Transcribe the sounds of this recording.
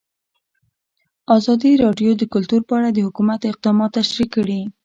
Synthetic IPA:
ɑzɑd̪iɾɑɖjod̪əkʊlt̪uɾpəaɽad̪əhʊkumat̪ɪq̚d̪ɑmɑt̪ːaʃɾikːəɽi

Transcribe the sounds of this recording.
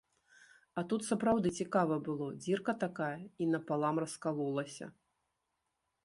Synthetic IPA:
ɐt̪ut̪sɐpɾawd̪ɨt͡sʲikavɐbɨlˠɔd͡zʲirkɐt̪akajɐinɐpalˠamrɐskalˠɔlˠɐsʲɐ̰

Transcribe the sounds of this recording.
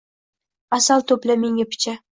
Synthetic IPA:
asalˠt̪ʰɵplameŋapʰɪ̥t͡ʃʰa

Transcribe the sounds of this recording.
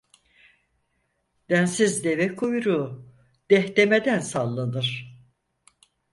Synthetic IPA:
d̪̥ænsizd̪evɛkʰojɾu | d̪̥ɛht̪emed̪ænsalˠːanɯɾ̥

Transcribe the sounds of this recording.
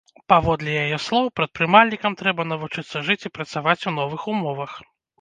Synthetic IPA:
pavɔd̪lʲɛjajɛslˠɔwpɾɐt̪̚pɾɨmalʲnʲikɐmt̪ɾɛbɐn̪ɐvut͡ʂɨt̪sːɐʐɨt͡sʲipɾɐt̪savat͡sʲunɔvɨxumɔvɐx

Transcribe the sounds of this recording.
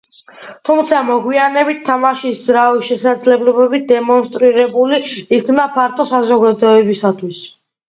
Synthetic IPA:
t̪ʰumt̪sʰamɔɡwianɛbit̪ʰːamaʃisd̪zɾavisʃɛsad̪zlɛblɔbɛbit̪̚d̪ɛmɔnst̪ʼɾiɾɛbuliːkʰnapʰaɾt̪ʰʼɔsazɔɡad̪ɔɛbisat̪ʰwis

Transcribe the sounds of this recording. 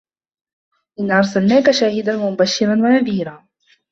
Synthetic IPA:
ʔɪnːʔɑɾˤsalnaːkaʃaːhɪd̪anwamʊbaʃːɪɾˤanwanaðiːɾaː

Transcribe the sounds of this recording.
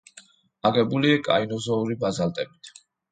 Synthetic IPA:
aɡɛbuliakʼa̰inɔzɔuɾibazalt̪ʼɛbit̪ʰ

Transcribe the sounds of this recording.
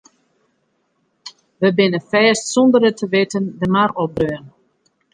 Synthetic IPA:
ʋəbɪnəfɛːstsɔndərətʰəʋɪtəndəmarɔbrøən

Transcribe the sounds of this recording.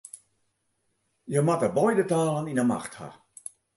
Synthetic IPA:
jəmatəbɔjdətaːlˠəninəma̰xtha̰

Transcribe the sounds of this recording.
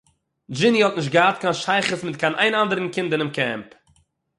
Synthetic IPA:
d͡ʒɪnihɔtnɪʃ̬tɡəhatkanʃaɪχəsmɪtkʰanʔaɪnandəɾən̩kɪndənɪmkɛ̰mp

